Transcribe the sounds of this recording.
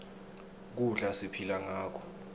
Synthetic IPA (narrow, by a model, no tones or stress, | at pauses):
k̬uɮasipʰilaŋaːk̬ʰɔ̥